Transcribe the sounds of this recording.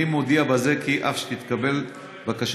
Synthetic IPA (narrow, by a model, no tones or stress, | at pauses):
imod̪iabazekiʔafʃe̥t̪it̪kabe̞l | vakaʃ